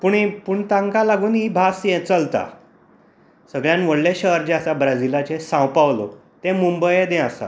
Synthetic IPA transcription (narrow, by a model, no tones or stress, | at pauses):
puɳipuɳt̪ãŋkalaɡuːnɦiːbʱasjet͡səlt̪a̰ | səɡɭjanʋəɽleɕəɦəɾd͡ʑeasabɾad͡zilat͡ɕesãwpaʋlo̰t̪ẽmumbəjed̪ẽasa̰